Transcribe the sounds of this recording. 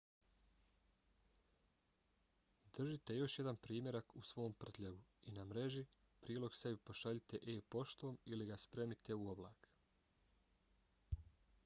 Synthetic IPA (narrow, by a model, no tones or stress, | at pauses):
d̪r̩ʒit̪e̞jo̞ʃje̞d̪anpɾiːmʲje̞ɾakusʋo̞ːmpr̩t̪ʎeɡuinamɾe̞ʒi | pɾiːlo̞ɡse̞bipo̞ʃaʎit̪e̞ʔeːpo̞ʃt̪o̞ːmiliɡaspɾe̞ːmit̪e̞uoblˠa̰ːk